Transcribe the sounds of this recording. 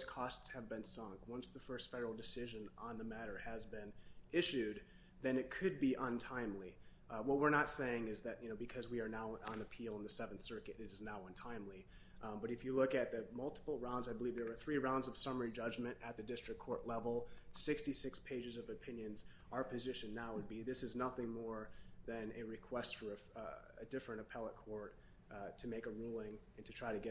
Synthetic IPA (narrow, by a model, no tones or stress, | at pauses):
kʰɔstshɨvbɨ̃nsʌ̃ŋkwʌ̃nsðəfɜ˞stfɛɾə˞l̩ˠdɨsɪʒɨ̃nə̃nðəmæɾə˞ɨzbɪ̃nʔɪʃʉd̪̚ | ðɨ̃nɨt̚kʰɨd̚biʔə̃ntʰãɪ̃mli | wʌt̚wəɹnətseɪɪ̃ŋɪzðɨtjɨnoʊbɨkʰʌzwiə˞naʊə̃nɨpʰilˠə̃nðɨsɛvnθsɜ˞kɨɾɨɾɨznaʊʌ̃ntʰãɪ̃mli | bʌɾɨfjɨlʊkɨt̪̚ðɨmʌlˠtʰə̥pl̩ˠɹãʊ̃ndzaɪbəlivðə˞ə˞θɹiɹãʊ̃ndzʌv̥sʌmə˞id͡ʒʌd͡ʒmɨ̃ntɨt̪̚ðɨdɪstɹ̥ɨkʰɔɹʔˡlɛvl̩ˠsɪkstisɪkspʰeɪd͡ʒɨzʌvɨpʰɪ̃njɨ̃nz | ʔaʊə˞pʰɨzɪʃɨ̃nːaʊwəd̚biðɪsɨznʌθɪ̃ŋmɔɹðɨ̃nɨɹɨkʰw̥ɛstfə˞ɨ | ɨ̰dɪfɹɨ̃ɾ̃ɨpʰɛlˠət̚kʰɔɹt | tʰɨmeɪkəɹulˠɪ̃ŋɨ̃ntʰɨtʰɹ̥aɪɾɨɡɛ